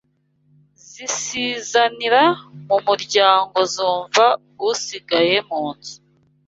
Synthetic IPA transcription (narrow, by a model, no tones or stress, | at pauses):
zisiːzaniɾamumuɾɟaːŋɡo̞zuːɱvaɡusiɡaje̞muːnzu̥